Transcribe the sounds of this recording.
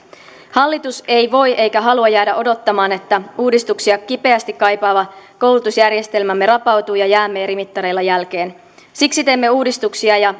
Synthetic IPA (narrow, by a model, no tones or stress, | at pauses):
hɑlːit̪use̞jʋo̞jʔe̞jkæɦɑluɑjæːdæʔo̞do̞t̪ːɑmɑːne̞t̪ːæuːdist̪uksiɑkipe̞æst̪ikkːɑjpɑːʋɑko̞wlut̪usjærje̞st̪e̞lmæmːe̞rɑpɑwt̪uːjɑjæːmːe̞ːɾimit̪ːɑɾe̞jlːɑjælk̟e̞ːn | siksit̪e̞imːe̞uːdist̪uksiɑjɑ